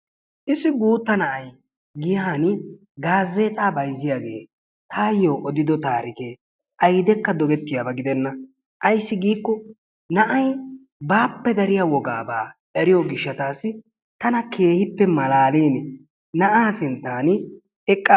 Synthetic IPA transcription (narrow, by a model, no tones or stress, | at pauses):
ʔɪsːɪɡuːt̪ːɐnɐʔɐj | ɡɪjaːn | ɡaːzːeːt̪ʼaːbɐjzːɪjaːɡeː | t̪ʰaːjːoːʔɔd̪ɪd̪ɔt̪aːɾɪkeː | ʔɐjd̪ɛkːɐd̪ɔɡɛt̪ːɪjaːbɐɡɪd̪ɛnːɐ | ʔɐjsːɪɡiːkːɔ | nɐʔɐj | baːpːɛd̪ɐɾɪjawɔɡa̰ːbaːʔɛɾɪjoɡɪʃːɐt̪aːsɪ | t̪ɐnɐkʰe̞ːhɪpːɛmɐlaːliːn | nɐʔaːsɪnt̪ːaːn | ɛkʼːa